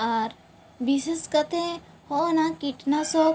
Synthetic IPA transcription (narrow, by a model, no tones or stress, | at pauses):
aːɾ | bisəskət̪ẽ | hoːnakiʈnasoː